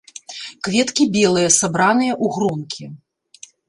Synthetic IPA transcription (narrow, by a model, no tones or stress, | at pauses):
kvʲɛt̪kʲibʲɛlˠɨjɐsabɾanɨjɐʔuɣɾɔnkʲʰi